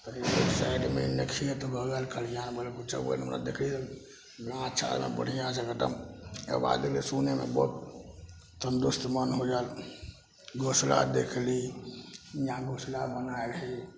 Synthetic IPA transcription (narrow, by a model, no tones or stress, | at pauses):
t̪əɾiosaɪɖmḛnəkʰiət̪obʱəɡəlkʰəlijanbəlkut͡ʃə̰ə̰nmɾa̰d̪ekʰli | ɡãt͡ʃʰa̰ɾmḛbə̰ɽ̤ijãsəɡəʈə̰mə̰ba̰d̪ekʰlisunemḛbɔt̪ | t̪ənd̪ust̪mənɦod͡ʒal | ɡosla̰d̪ekʰli | ijãɡoslabənaelɦɛ